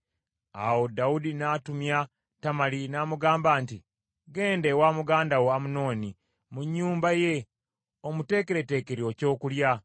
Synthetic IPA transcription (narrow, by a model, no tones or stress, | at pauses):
a̰wodaudinatumja | tamalinaːmuɡaːmbaːnti | ɡe̞ːndewamuɡaːndawoamuno̞ːni | muɲːuːmbaje̞ | o̞mute̞ːkeɾe̞te̞ːke̞ɾioco̞ːkulja